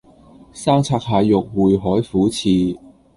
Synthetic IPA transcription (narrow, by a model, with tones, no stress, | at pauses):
saː˥ŋt͡sʰaː˧k̚ɦaː˧jjʊ˨k̚wuː˨˩jɦɔː˨˥jfuː˨˥t͡sʰiː˨˧